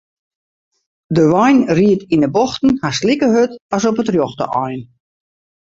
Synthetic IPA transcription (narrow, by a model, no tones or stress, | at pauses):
dəʋɔjnriətinəbɔxtn̩haslikəɦøtɔsɔpətrjoxtə̰ʔɔjn